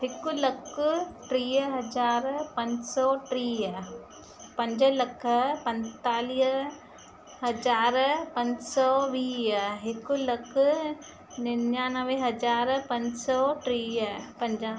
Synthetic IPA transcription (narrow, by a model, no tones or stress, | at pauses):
ɦhɪkʊlɐkʰʊʈɾiːɦɐd͡ʒaːɾpɐ̃ɲd͡ʑsɔːʈɾiːɦə | pɐ̃ɲd͡ʑəlɐkʰəpɐ̃nt̪aːliː | ɦɐd͡ʒaːɾpɐ̃ɲd͡ʑsɔːʋiːɦɪkʊlɐkʰʊ | nɪnãːnɐʋẽɦɐzaːɾpɐ̃ɲd͡ʑsɔʈɾiːɦpɐ̃ɲd͡ʑãː